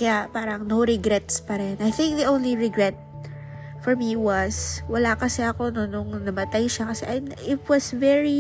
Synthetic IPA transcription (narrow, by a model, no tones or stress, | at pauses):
kɐjapaːɾɐŋnowɾɛɡɾɛt̪spɐɾɛnʔɐjθɪ̃ŋk̚ðiʔow̃nliɹɛɡɹɛt̪̚ | fɔɹmiwɐswɐlakɐsɛʔɐko̞nonʊŋnɐmɐt̪ajʃakɐsɛʔɐj̪ʔɪt̪̚wɔsvɛɹi